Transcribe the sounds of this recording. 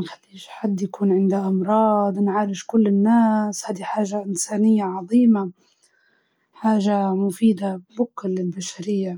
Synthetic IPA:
xalːiːʃħad̪ːjakuːnʕɪnd̪aʔɑmɾˤɑːd̪ˤnʕaːɾɪʃkʊlːɪnːaːshaːd̪iħaːʒaʔɪnsaːnɪjːaʕɑðˤiːma | ħaːʒamʊfiːd̪abʊklɪlbaʃaɾɪjːa

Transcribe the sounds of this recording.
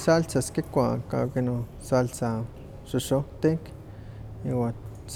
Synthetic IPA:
salt͡saskikʷaka̰kino | salt͡sa | ʃuʃot̪ik | iwa

